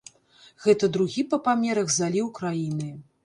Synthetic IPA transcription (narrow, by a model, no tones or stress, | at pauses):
ɣɛt̪ɐd̪ɾuɣʲipɐpamʲɛɾɐɣzalʲiwkɾajinɨ